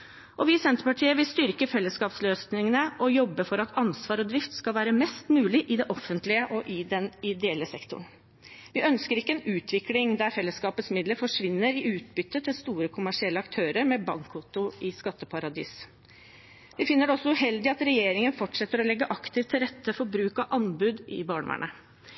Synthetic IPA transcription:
ʔɔʋɪsɛnt̪əɾpɑʈʰiːəʋɪlst̪ʏɾkəfɛlːəskɑːpsløːsnɪŋənəʔɔjɔbːəfɔɾɑt̪ɑnsʋɑːɾɔd̪ɾɪft̪skɑlʋæːɾəmɛst̪mʉːlɪʔɪd̪ɛʔɔfːənt̪lɪəʔɔʔɪd̪ɛnɪd̪ɛɛɛlːəsɛkt̪ʊ̰ɳ | ʋɪʔœnskəɾɪkːəɛnʉːt̪ʰʋɪklɪŋd̪æɾfɛlːəskɑːpət̪smɪd̪ləɾfɔʂʋɪnːəɾɪʉːt̪bʏt̪ːət̪ʰɪlst̪uːɾəkʰʊmæʂɪɛlːəɑkt̪ʰøːɾəɾmɛbɑŋkʰʊt̪ʊʔɪskɑt̪ːəpʰɑɾɑd̪ḭːs | ʋɪfɪnːəɖɛɔsːɔʉɦɛld̪ɪɑt̪ɾɛjeːɾɪŋənfɔʈʂɛt̪ːəɾɔlɛɡːəʔɑkt̪ɪft̪ʰːɪlɾɛt̪ːəfɔɾbɾʉːkɑʔɑnbʉd̪ɪ̰bɑːɳʋæ̰ɳə

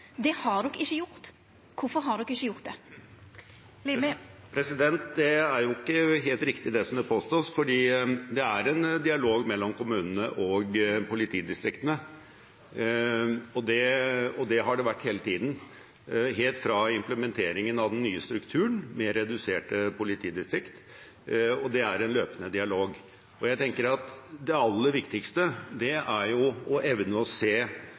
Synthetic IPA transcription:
d̪ɛhɑɖ̪ɔkɪçːəjʊɾt̪ | kʊfɔɾɦɑɖ̪ɔkːɪçːəjʊɾt̪̚d̪ɛ | lpʰɾɛsɪd̪ɛnt̪̚d̪ɛæɾjʊɪkːəɦeːlt̪ɾɪkt̪ɪd̪ɛsɔmd̪ɛpʰoːst̪oːsfɔɖiːd̪ɛæɾɛnd̪ɪɑloːɡmɛlːɔmkʊmʉːnənəʔɔɡpʰʊlɪt̪ʰiːd̪ɪst̪ɾɪkt̪ənə | ɔd̪ɛɔd̪ɛɦɑɖɛʋæʈːheːlət̪ʰiːd̪n̩ | ɦeːlt̪fɾɑɪmpləmɛnt̪ʰeːɾɪŋənɑʋd̪ɛnːyːəst̪ɾʉkt̪ʰʉːəɳmɛɾɛd̪ʉseːʈəpʊlɪt̪ʰiːd̪ɪst̪ɾɪkt̪ | ɔd̪ɛæɾɛnløːpənəd̪ɪɑloːɡ | ɔjæɪt̪ʰɛŋkəɾɑt̪d̪ɛɑlːəɾʋɪkt̪ɪkst̪əd̪ɛæɾjʊɔʔɛʋnəɔseː

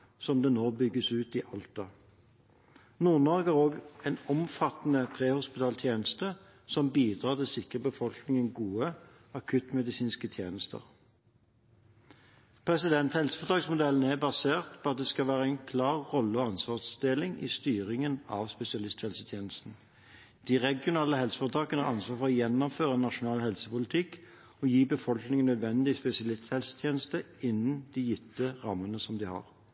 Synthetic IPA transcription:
sɔmd̪ɛnoːbʏɡːəsʉːt̪ɪʔɑlt̪ɑ | nuːʁnɔɡæʁoːɡɛnɔmfɑt̪nəpʰʁeːhʊspɪt̪ʰɑːlt̪ʰjeːnəst̪ə | sɔmbiːd̪ʁɑːʁt̪ɪlsɪkʁəbəfɔlknɪŋənɡuːə | ɑkʰʉt̪mɛd̪ɪsiːnskət̪ʰjḛːnəst̪ə̰ʁ | pʰʁɛsɪd̪ɛnt̪hɛlsə̥fɔd̪ɑɡsmʊd̪ɛln̩æbɑseːʁt̪pʰɔɑt̪̚d̪ɛskɑʋæːʁəɛɪnkʰlɑːʁːɔlːəɔɑnsʋɑːʁsd̪eːlɪŋɪ̰st̪yːʁɪŋənɑʋspɛsɪɑlɪst̪hɛlsət̪ʰjeːnəst̪n̩ | d̪̥iʁɛɡɪʊnɑːləɦɛlsə̥fɔʁt̪ʰɑːkənəɑʁɑnsʋɑːʁfɔʁɔjɛnːɔmføːʁənɑʂʊnɑːlhɛlsəpʊlɪt̪ʰɪk | ɔjiːbəfɔlknɪŋənœd̪ʋɛnd̪ɪspɛsɪɑlɪst̪hɛlsə̥t̪ʰjeːnəst̪ə | ɪnːnd̪̥ijʏt̪ːəʁɑmːənəsɔmd̪ɪhɑ̰ʁ

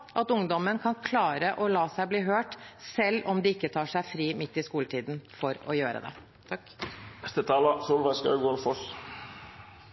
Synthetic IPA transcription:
ʔɑt̪ʊŋd̪ɔmənkʰɑnkʰlɑːɾəʔɔlɑːsæɪbliːɦøːʈsɛlːɔmd̪ɪːɪkːət̪ʰɑːʂæɪfɾiːmɪt̪ːɪskuːləʈ̪ʰiːd̪n̩fɔɾɔ̰jøːɾə̰d̪ɛ̰ | t̪ʰ | nɛst̪ət̪ʰɑːlɑsuːlʋɛskɑ̰ɡʊɑlfɔs

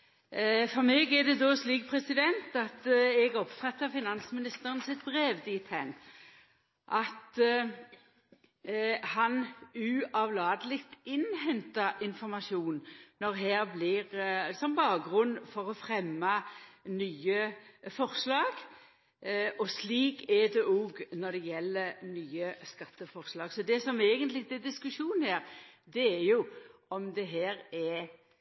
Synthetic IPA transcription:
fɔʁmɛːɡɛʁd̪ɛd̪ɔsliːk̚pʰʁɛsɪd̪ɛnt̪ɑt̪ɛɡɔpfɑt̪ːəʁfɪnɑnsmɪnɪst̪əʁənsɪt̪̚bʁeːʋd̪iːt̪ʰæn | ʔɑt̪ | hɑnʉʔɑʋlɑːd̪əlɪkt̪ɪnɦɛnt̪əɪnfɔʁmɑʃjuːnnɔʁɦæːʁblɪʁsɔmbɑːkɾʉnːfɔʁɔfʁɛmːɑnyːəfɔʁslɑːɡ | ʔɔsliːkʰɛd̪ɛʔoːɡnɔd̪ɛjɛlːəɾnyːəskɑt̪ːəfɔʁslɑːɡsɔd̪ɛsɔmeːɡənt̪lɪd̪ɛd̪ɪskʉʂuːn̩hæːɾd̪ɛæjʊɔmd̪ɛɦæːɾɛ

